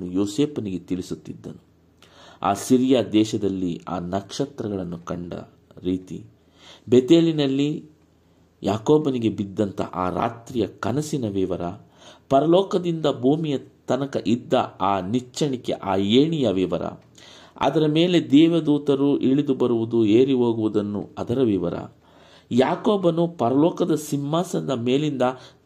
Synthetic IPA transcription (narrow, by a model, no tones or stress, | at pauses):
nːujoːseːpɐniɡe̞t̪iɭisut̪ːid̪ːɐnu | a̰ːsiɾijaːd̪ɛːʃɐd̪ɐlːia̰ːnɐkʂɐt̪ɾɐɡɐɭɐnːukɐɳɖɐ̰ | ɾiːt̪ḭ | bet̪eːlinɐlːi | jaːkoːbɐniɡe̞bid̪ːɐnt̪ʰɐ̰ʔaːɾa̰ːt̪ɾijɐkɐnɐsinɐʋiʋɐɾɐ | pɐɾɐlɔːkɐd̪ind̪ɐbʱuːmijɐt̪ɐnɐkɐʔid̪ːɐaːnit͡ʃːɐɳikḛʔaːjeːɳijɐʋiʋɐɾɐ̰ | ɐ̰d̪ɐɾɐme̞ːle̞d̪ɛːʋɐd̪uːt̪ɐɾuʔiɭid̪ubɐɾuʋud̪ueːɾiɦo̞ːɡuʋud̪ɐnːṵɐd̪ɐɾɐʋiʋɐ̰ɾɐ̰ | jaːkoːbɐnupɐɾɐlɔːkɐd̪ɐsimːaːsɐd̪ɐmeːlind̪ɐ